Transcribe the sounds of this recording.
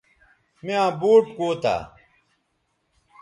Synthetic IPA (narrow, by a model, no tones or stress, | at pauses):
miãːbuːʈkuːt̪a̰ː